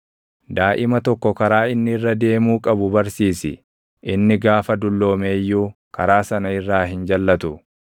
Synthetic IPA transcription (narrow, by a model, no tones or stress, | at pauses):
d̪aːʔɪmɐt̪ɔkːɔkɐɾaːɪnːɪɪrːɐd̪e̞ːmuːkʼɐbʊbɐɾsiːsɪ̰ | ʔɪnːɪɡaːfɐd̪ʊlːo̞ːme̞ːjːuː | kɐɾaːsɐnɐɪrːaːɦɪnd͡ʒɐlːɐt̪ʊ